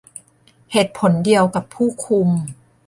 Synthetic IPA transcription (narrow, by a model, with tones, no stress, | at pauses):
heː˨˩t̪̚pʰo˩˦ndi˧əwka˨˩pʰuː˥˩kʰu˧m